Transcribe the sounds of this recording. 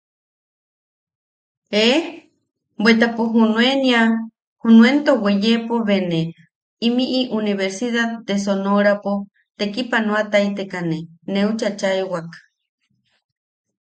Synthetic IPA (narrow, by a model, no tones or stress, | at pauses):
e | bwet̪̬apoɦunw̃enia | hunwent̪owejepoβene | imiʔiʔuniβeɾsiðad̪es̬onoɾapo | t̪ekipanõat̪ait̪ekaneneut͡ʃat͡ʃaewakḁ